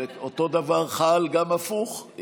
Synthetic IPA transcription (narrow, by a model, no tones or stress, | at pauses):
eot̪o̞d̪avaʁχalɡamafuχ